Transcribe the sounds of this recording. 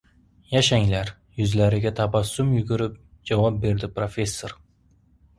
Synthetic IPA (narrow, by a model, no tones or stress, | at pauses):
jaʃaŋlaɾ | jʊzlaɾɪɡʲat̪ʰapasʊmjʊɡʊɾɪp̚d͡ʒavɒp̚be̞ɾd̪ɪpɾofe̞sːoɾ